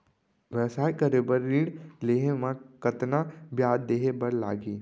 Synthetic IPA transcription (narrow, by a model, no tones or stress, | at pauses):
ʋɛʋsaːjkɐɾebəɾːiːɽleːɦemãkɐt̪nabjaːd̪d̪eːɦebɐɾla̰ːɡiː